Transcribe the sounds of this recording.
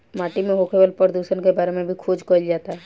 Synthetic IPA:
maːʈimẽɦoːkʰebəlpəɾd̪uːʃənkebaːɾemẽbʱikʰoːd͡ʒkoːld͡ʒaːt̪aɦɛː

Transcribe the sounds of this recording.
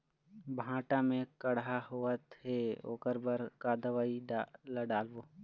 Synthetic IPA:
bʱãːʈamẽkəɽaɦoət̪heo̰ːkəɾbəɾkaːd̪əʋailaɖaːlboː

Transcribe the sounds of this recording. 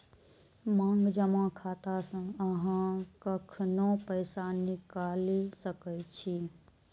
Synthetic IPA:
mãːŋɡd͡ʒəmãkʰaːt̪asə̃əɦãkəkʰnõpəɪsanɪkaːlisəkət͡ʃʰi

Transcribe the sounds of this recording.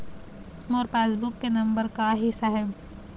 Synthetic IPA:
moːɾpeːsbʊkːenɐ̃mbəɾkaɦɪsaɦɛ

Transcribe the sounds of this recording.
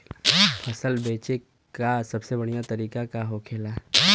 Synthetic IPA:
pʰɐsəlbeːt͡ʃe | kasɐbsebɐɽ̤̃ijat̪ɐɾiːkakaɦoːkʰeːla

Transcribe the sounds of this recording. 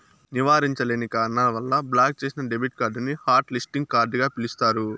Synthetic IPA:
niʋaːɾiɲt͡ʃɐleːnikaːɾɐnɐlɐʋɐlːɐblaːk̚t͡ʃeːsinɐɖebiʈ̚kaːɾɖnihaːɾʈlisʈiŋɡ̚kaːɾɖɡaːpilist̪aːɾu

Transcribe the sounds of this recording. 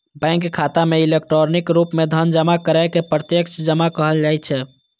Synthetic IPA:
bɛ̃ŋkkʰːat̪ameilek̚ʈɾoɾnikɾupmed̪ʱənd͡ʒəmakəɾajkepɾət̪jəksd͡ʒəmakəɦəld͡ʒajt̪t͡ʃʰɛ

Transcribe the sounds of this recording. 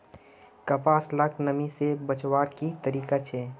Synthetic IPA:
kəpaːslakʰnəmisebət͡ʃwaːɾkit̪əɾiːkat͡ʃʰeː

